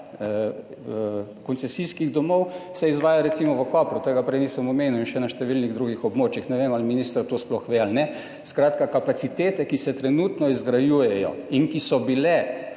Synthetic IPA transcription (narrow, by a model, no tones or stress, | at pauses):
kɔnt̪sɛsiskiɣd̪ɔmɔwsɛizʋaːjaɾɛt̪simɔʋəkɔːpɾut̪eɡapɾɛjniːsɐmɔmeːnuinʃɛnaʃt̪ɛʋilniɣd̪ɾuɡixɔbmoːt͡ʃjixnɛʋeːmalminiːst̪ɾat̪osplɔxʋealnɛ | skɾaːt̪kakapatsit̪eːt̪ɛkisɛt̪ɾɛnuːt̪nɔizɡɾajuːjɛjɔ̰iŋkisɔbilɛ